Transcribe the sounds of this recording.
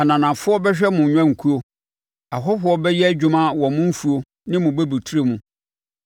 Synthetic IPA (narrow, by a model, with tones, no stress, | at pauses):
a˨nã˨nã˨fʊ˦ɔ˦bɛ˦ɕᶣɛ˦mʊ̃˨ɲᶣã˦ŋ̩˨kʰu˦o˦ | a˨ɦɔ˦hʊ˦ɔ˦bɛ˦jɛ˦æ˨d͡ʑᶣu˦mã˦wɔ̃˨mʊ̃˦m̩˦fu˨o˦ | nɪ̃˦mʊ̃˨bɛ˦bi˨tʰu˦ɾe˦mʊ̃˨